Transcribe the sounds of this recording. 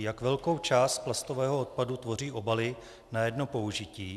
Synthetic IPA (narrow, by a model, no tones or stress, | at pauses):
jakvɛlko̞wt͡ʃaːst̪̚plast̪o̞vɛːɦoot̪̚padut̪vo̞riːʔo̞balɪ | najɛdno̞po̞uʒɪciː